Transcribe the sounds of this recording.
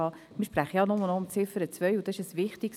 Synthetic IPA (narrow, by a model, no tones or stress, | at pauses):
ɑː | mɪɾʃpɾæχəjɑnɔmənɔʊmt͡sɪfəɾət͡svœʏʊd̥̪ɑɪʃəsvɪχtiks